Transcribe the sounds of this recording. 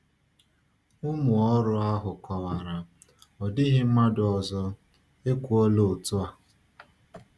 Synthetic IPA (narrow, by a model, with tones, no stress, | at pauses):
ʊ˦mʊ˨ɔ˦ɾʊ˦a˦ɦʊ˨kɔ˨wa˨ɾa˨ | ɔ˨dɪ˦ɦɪ˦m̩˦ma˦dʊ˨ɔ˨zɔ˦ | e˦kʷu˦o˦lo˨tʊ˦a˨